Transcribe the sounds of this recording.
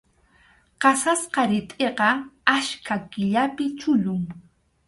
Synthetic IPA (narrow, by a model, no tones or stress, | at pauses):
qɑsasqɑɾɪt̪ʼeqɑaʃkʰakɪʎapɪt͡ʃʊʎʊŋ